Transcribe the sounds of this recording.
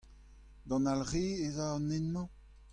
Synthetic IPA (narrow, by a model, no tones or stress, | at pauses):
d̪ɑ̃nalʁeːezaɑnɛnmɑ̃